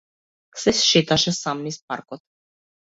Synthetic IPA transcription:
sɛsʃet̪aʃɛsamnispa̰ɾkɔt̪̚

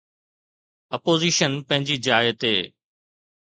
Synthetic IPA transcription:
ɐpoːziːʃənpɐ̃ɦɪ̃ɲd͡ʑiːd͡ʑaːjət̪ɦeː

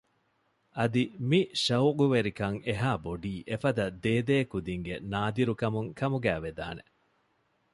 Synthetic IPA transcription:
ʔɐd̪imiʃɐwɡuʋeɾikɐŋeɦaːboɖiːʔefɐd̪ɐd̪eːd̪eːkud̪iŋɡenaːd̪iɾukɐmuŋkɐmuɡæːʋed̪a̰ːne

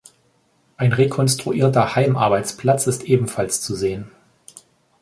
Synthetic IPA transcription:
ʔaɪnʁekʰɔnstʁ̥uʔiːɐtɐhaɪmʔa̰ɐbaɪt͡spʰl̥at͡sɪstʔeːbm̩falst͡suzeːən

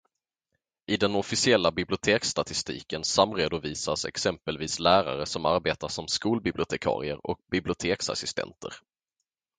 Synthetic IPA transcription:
ʔɪd̪ɛnɔfɪsɪɛlːabɪblɪʊt̪ʰeːkst̪at̪ɪst̪ḭːkənsamːɾeːd̪ʊviːsasɛ̰ksɛmpəlviːslæːɾa̰ɾəsɔmaɾbeːt̪aʂɔmskuːlbɪblɪʊt̪ʰɛkʰɑ̰ːɾɪə̰ɾɔ̰k̚bɪblɪʊt̪ʰeːksa̰sɪst̪ɛ̰nt̪ʰə̰ɾ

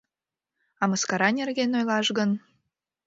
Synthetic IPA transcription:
ɑməskɑɾɑnʲerɣenojlɑʃɣən

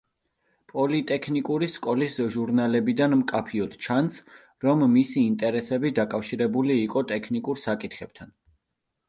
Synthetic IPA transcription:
pʼɔlit̪ʼɛkʰnikʼuɾiskʼɔlisʒuɾnalɛbid̪anmkʼapʰiɔd̪̥t͡ʃʰans | ɾɔmːisiːnt̪ʼɛɾɛsɛbid̪akʼafʃiɾɛbuliːqʼɔt̪ʼɛkʰnikʼuɾsakʼit̪ʰχɛb̥̚t̪ʰan

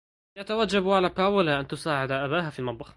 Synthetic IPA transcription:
jat̪awad͡ʒːabʕalapaːwɪlaʔant̪ʊsaːʕɪd̪aʔabaːɦafilmɑd̪ˤbɑx

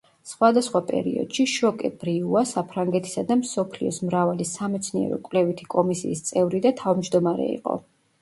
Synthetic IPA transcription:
sχwad̪asχwapʼɛ̰ɾḭɔ̰d̪̥ʃiʃɔkʼɛb̥ɾiuasapʰɾaŋɡɛt̪ʰi̥sad̪amsɔpʰliɔsmɾavalisamɛt̪sʰniɛ̰ɾɔ̰kʼwlɛvit̪ʰi̥kʼɔmisiːst̪sʼɛvɾid̪at̪ʰavmd͡ʒd̪ɔmaɾɛ̰ḭqʼɔ̰

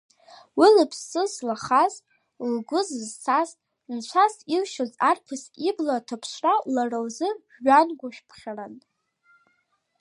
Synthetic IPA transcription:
wilɨpʰsːɨzlaχaz | lɡʷʊzzt͡sʰaz | nt͡ʃʷʰasilʃozarpʰɨsiblatʰapʰʃʷralarawzɨ | ɥanɡʷʊʃᶣpʰχʲaran

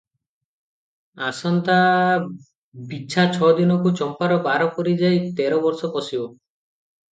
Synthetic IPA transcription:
asɔnt̪a | bit͡ʃʰat͡ʃʰɔd̪inɔkut͡ʃɔmpaɾɔbaɾɔkɔɾid͡ʒajt̪eɾɔbɔɾsɔkɔsibɔ

